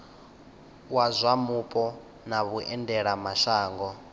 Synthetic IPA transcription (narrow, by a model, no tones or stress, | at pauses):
wazʷamupʼɔ | naβuʔɛndɛɺamaʃaːŋɡɔ